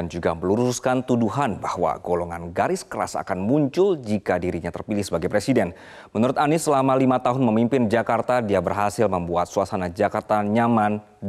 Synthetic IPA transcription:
and͡ʒuɡaməluɾuskant̪uduɦanbahwa̰ɡoloŋa̰nɡaɾɪskəɾa̰sa̰kanmuɲt͡ʃʊld͡ʒikadiɾiɲat̪ərpilɪhsəbaɡajpɾesidɛn | mənuɾʊt̪anɪsːəlamalimat̪aɦʊnməmimpɪnd͡ʒakart̪adiabərɦasɪlməmbuat̪̚suasanad͡ʒakart̪aɲaman

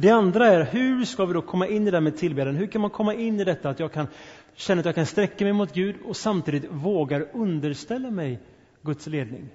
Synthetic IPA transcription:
d̪ɛand̪ɾaæɾɦɵ̟ɾʂkavɪd̪ɔkʰɔmːaʔɪnːɪd̪ɛæːmeːd̪̚t̪ʰɪlbeːd̪ənɦɵɾkʰanmankʰɔmːaʔɪnːɪd̪ɛt̪ːaːt̪jɑːɡ̚kʰan | ɕɛnːat̪jɑɡkʰanst̪ɾɛkːamɛjmʊt̪ɡʉ̟ːd̪ɔsamt̪ʰiːd̪ɪt̪voːɡaɾɵnd̪əɾʂt̪ɛlːamɛj | ɡɵt̪sleːd̪̚nɪ̰ŋ

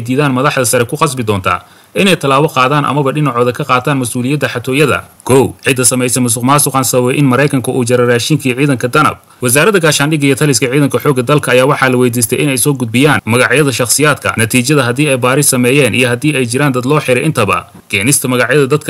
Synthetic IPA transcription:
jd̪iːðaːnmɐðɑħd̪ɐsɐɾɛkʰʊqɑsbɪd̪ɔːnt̪ʰɐ̰ | ʔɪnɛjt̪ʰɐlaːβɔqɑːðaːnʔɐ̰mɐβɐɖɪnɑʕɔːðɐkʰɐqɑːt̪ʰaːnmɐsʔuːlɪjɐd̪ɐħɑt̪ʰɔːjɐðɐ̰kʰɔwʕɪd̪ːɐsɐmɛjsɛmʊs̬ʊqmaːsʊqɑːnsɐβɛjʔɪnmɐɾɛjkʰɐŋkʰʊʔuːt͡ʃɐɾɛraːʃiːŋkʰiʕiːðɐŋkʰɐd̪ɐnɐ̰b̚ | wɐs̬aːɾɐðɐɡaːʃaːnɖɪɣɐjɔt̪ʰɐlɪskʰɐʕiːðɐŋkʰɐħɔːɡːɐd̪ɐlkʰɐːjaːwɑħɑːlɐwɛjd̪iːs̬t̪ʰɛ̰jʔɪnɛjsɔːɡʊd̪̚bɪjaːnmɐɣɑʕjɐðɐʃɑqsɪjaːd̪kʰɐ̰nɐt̪ʰiːt͡ʃɐðɐɦɐd̪iːɛjbaːɾɪsɐmɛːjɛːnʔḭjɔɦɐd̪iːɛjt͡ʃɪɾaːnd̪ɐd̪lɔːħɪɾɛjʔɪnt̪ʰɐβɐ̰ | ɡ̥ɛːnɪst̪ʰɐmɐɣɑʕjɐðɐd̪ɐd̪kʰɐ

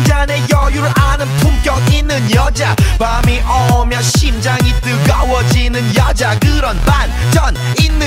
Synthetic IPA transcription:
d͡ʑanejʌjuɾanɯmtʰuŋkjʌk̚inːɯnjʌd͡ʑabamiʔɔmjʌɕimd͡ʑaŋit͈ɯɡawʌd͡ʑinɯnjad͡ʑakɯɾʌnban | t͡ɕʌn | inːɯ

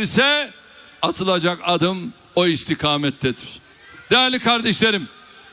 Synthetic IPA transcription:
ɾisɛ | at̪ʰɯlˠad͡ʒakad̪ɯm | oist̪ʰikʰaːmɛt̪ʰːɛd̪iɾ̥ | d̪̥ejæɾlʲikʰaɾd̪ɛʃlʲeɾim

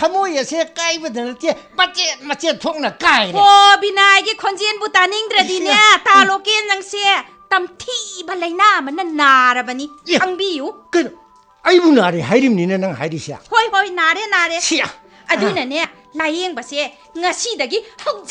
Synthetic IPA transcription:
kʰɐmojɐsekajbɐdɐnɐtemɐt͡ʃet̚mɐt͡ʃet̚tʰok̚nɐkajɾeobinajɡikʰonzenbutaniŋdɾɐdinetalokenzɐŋse | tɐmtʰibɐlɐjnaɐmɐnːɐnaɾɐbɐniɐŋbijuk | ɐjbunaɾeɦajɾimninɐnɐŋɦa̰jɾisia̰hojɦojnaɾenaɾesia | ɐdunɐne | lajeŋbɐse | ŋɐsidɐɡihɐw

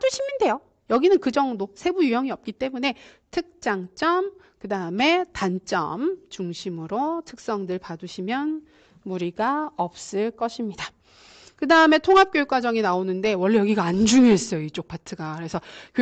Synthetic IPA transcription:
t͈oɕʰiminde̞jo | jʌɡinɯnkɯd͡ʑʌŋdosʰe̞bujujʌŋiʌp̚k͈it͈e̞mune̞tʰɯk̚t͡ɕ͈aŋt͡ɕ͈ʌm | kɯdaɯme̞tant͡ɕ͈ʌ̰mt͡ɕuŋɕʰimɯɾotʰɯk̚s͈ʌŋdɯɭpaduɕʰimjʌn | muɾiɡaʌp̚s͈ɯɭk͈ʌɕʰimɲida | kɯdaɯme̞tʰoŋɦap̚k͈joik͈wad͡ʑʌŋinaonɯnde̞wʌɭːe̞jʌɡiɡaːnd͡ʑuŋjoɦe̞s͈ʌjoit͡ɕ͈ok̚pʰatʰɯɡakɯɾe̞sʰʌk

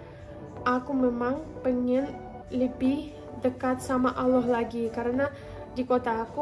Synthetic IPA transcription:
ʔakumemaŋpəŋən | ləbɪh | dəkat̪̚samaʔalɔɦlaɡikaɾəna | dikot̪aːku

